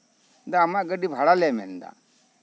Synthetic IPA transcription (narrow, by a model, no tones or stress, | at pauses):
d̪aːmaʔɡəɖibʱaɽalɛmɛ̰nd̪a̰